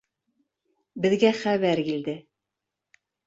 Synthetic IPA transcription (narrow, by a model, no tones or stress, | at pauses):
bɘ̆ðɡæχæβæɾkild̪ɘ